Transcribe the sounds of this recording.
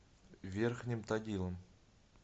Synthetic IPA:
vʲerxnʲɪmt̪aɡʲilˠəm

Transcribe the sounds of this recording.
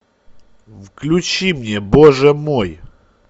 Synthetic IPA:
vklʲʊt͡ɕimnʲeboʐɛmoj

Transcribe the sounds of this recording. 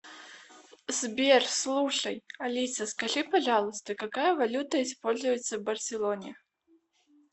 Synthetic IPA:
zʲbʲɛrslˠuʂɐjalʲisʲɐskaʐɨpaʐalˠɐst̪ɐkakajɐvalʲut̪ɐispɔlʲzujɛt̪sːɐwbɐrsʲɛlˠɔnʲɛ

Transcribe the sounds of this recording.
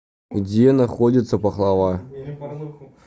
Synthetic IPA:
dʲenaχodʲit̪səpɑχlˠɑʋɑ

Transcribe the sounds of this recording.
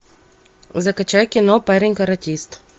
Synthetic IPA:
zɐkɐt͡ɕajkʲɪnɔpɛɾʲɪnʲkɐɾɐtʲist̪

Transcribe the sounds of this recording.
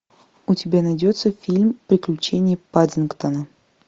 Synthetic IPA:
ʊtʲɪbʲanɐjdʲot̪səfʲilʲmpɾʲɪklʲʉt͡ɕenʲɪjəpadʲɪnkt̪ənə

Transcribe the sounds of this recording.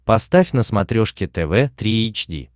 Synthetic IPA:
pɐst̪afʲnəsmɐt̪ɾʲoʂkʲɪt̪ɛvɛt̪ɾʲiet͡ɕdʲḭ

